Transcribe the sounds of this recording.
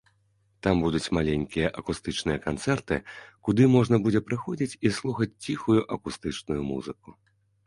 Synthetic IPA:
t̪ambud̪ut͡sʲmalʲenʲkʲijɐʔɐkust̪ɨt͡ʂnɨjɐkant̪sɛrt̪ɨkud̪ɨmɔʐnɐbud͡zʲɛpɾɨxɔd͡zʲit͡sʲislˠuxɐt͡sʲt͡sʲixujuʔɐkust̪ɨt͡ʂnujumṵzɨku̥

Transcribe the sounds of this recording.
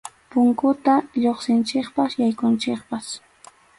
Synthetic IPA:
pʊŋkʊt̪aʎoχsɪnt͡ʃekpasjajkʊnt͡ʃeχpas

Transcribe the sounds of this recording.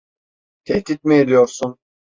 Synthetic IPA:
t̪ʰɛht̪it̪̚mied̪ijoɾsun

